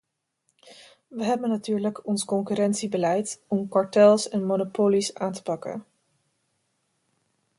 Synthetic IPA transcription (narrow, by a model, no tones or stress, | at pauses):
ʋəɦɛbənatyːɹləkɔnskɔŋkyːɾɛntsibəlɛjtɔmkɑɹtɛlˠsɛnmonopoːlisaːntə̥pɑkə̰n